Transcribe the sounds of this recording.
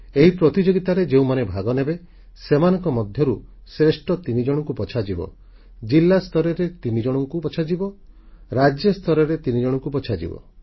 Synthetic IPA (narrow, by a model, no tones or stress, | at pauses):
eɦipɾɔt̪id͡ʒoɡit̪aɾed͡ʒeũmanebʱaɡɔnebe | semanɔŋkɔmɔd̪ʱjɔɾusɾesʈɔt̪inid͡ʒɔɽ̃ɔŋkupɔt͡ʃʰad͡ʒibɔ̰ | d͡ʒilːast̪ʰɔɾɔɾet̪inid͡ʒɔɽ̃ɔŋkupɔt͡ʃʰad͡ʒibɔ | ɾad͡ʒjɔst̪ʰɔɾɔɾet̪inid͡ʒɔɽ̃ɔŋkupɔt͡ʃʰad͡ʒḭbɔ̰